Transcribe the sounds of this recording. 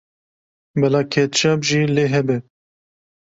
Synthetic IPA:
bɛlɑːkʰɛt̪t͡ʃɑːbʒiːleːɦɛbɛ

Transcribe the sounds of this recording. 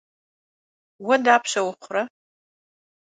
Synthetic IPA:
wɔdaːpʰɕɐwʊχʷʊrɐ

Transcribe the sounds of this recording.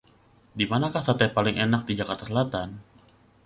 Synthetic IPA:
dimanakahsat̪ɛpalɪŋʔenak̚did͡ʒakart̪asəlat̪an

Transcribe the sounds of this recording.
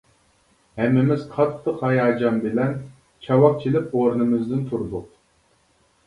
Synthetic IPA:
hɛmːɪmɪz̥qʰɑt̪ʰːɨqhɑjɑːd͡ʒɑmbɪlɛn | t͡ʃʰɑwɑq̚t͡ʃʰilɪpoɾnɨmɪzd̪ɪnt̪ʰuɾd̪ʊq̚

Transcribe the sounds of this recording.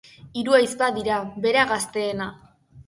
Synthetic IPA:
iɾuajspaðiɾabe̞ɾaɣast̪e̞ːna

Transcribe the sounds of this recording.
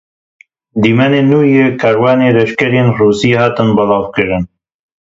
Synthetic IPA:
d̪iːmaneːnuːjeːkʰaːɾwaːneːlɛʃkɛɾeːnruːsiːhaːt̪ɨnbɐlɑːvkɨɾɨn

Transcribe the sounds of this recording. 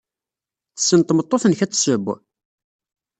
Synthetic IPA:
θə̥sːənt̪ˤːmət̪ˤːoθənçæt͡sːsəbː

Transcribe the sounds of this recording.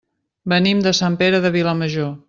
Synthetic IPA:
bənimd̪əsampeɾəðəβiləməʒo

